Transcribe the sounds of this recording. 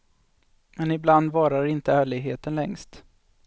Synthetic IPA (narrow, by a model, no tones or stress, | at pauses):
mɛnɪbland̪vɑːɾaɾɪnt̪əæːɭɪɡɦeːt̪ənlɛŋst̪